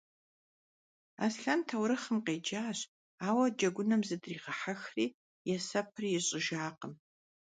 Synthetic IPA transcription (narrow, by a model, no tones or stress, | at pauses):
a̰ːsɬɐntʰɐwɾɨχəmqeːd͡ʒaːɕ | aːwɐd͡ʒɐɡʷʊnɐmzɨdriːʁɐħaxriː | jɛsɐp̚ʰɨrjɛɕʼɪʒaːqəm